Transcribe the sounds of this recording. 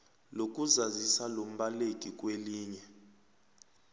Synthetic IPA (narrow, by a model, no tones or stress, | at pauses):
lok̬ʼuzazisalom̩ɓalekʼikʼweliːɲɛ